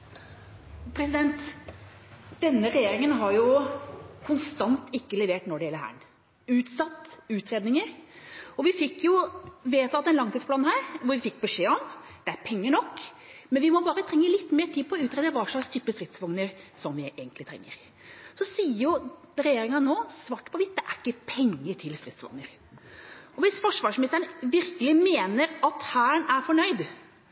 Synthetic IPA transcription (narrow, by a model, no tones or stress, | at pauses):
pʰɾɛsɪd̪ɛnt̪ | d̪̥ɛnːəɾɛjeːɾɪŋənɦɑɾjʊ | kʰʊnst̪ɑnt̪ɪkːəlɛʋeːʈnɔɖɛjɛlːəhæ̰ːɳ | ʉːt̪sɑt̪ːʉːt̪ɾeːd̪nɪŋəɾɔʋɪfɪkːjʊʋeːt̪ɑt̪ːɛnlɑŋt̪ʰiːspʰlɑːnhɦæːɾʋʊɾʋɪfɪkːbɛʂeːɔmd̪̥ɛæɾpʰɛŋːəɳɔkː | mɛnʋɪmɔbɑːɾət̪ʰɾɛŋːəlɪt̪ːmeːʈʰiːpʰɔɔʉːt̪ɾeːd̪əʋɑʂlɑkst̪ʰyːpːəst̪ɾɪt̪ːsʋɑŋnəɾsɔmʋɪʔeːɡənt̪lɪt̪ʰɾɛ̰ŋːə̰ɾ | sɔsiːəɾjʊɾɛjeːɾɪŋɑnoːsʋɑːʈːpʰɔʋɪt̪̚d̪ɛʔæɾɪkːəpʰɛŋːəʈʰɪlst̪ɾɪt̪sʋɑ̰ŋnəɾ | ɔʋɪsfɔʂʋɑːʂmɪnɪst̪əɾəɳʋɪɾkəlɪmeːnəɾɑt̪hæːɳæɾfɔɳœʏd̪